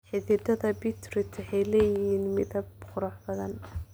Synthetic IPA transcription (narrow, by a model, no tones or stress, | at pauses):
ħɪðɪd̪ɐðɐbɪt̪ʰrɪt̪ʰɪħɑjlɛːjɪɦiːnmɪðɐbqʊɾɑħbɐðɐn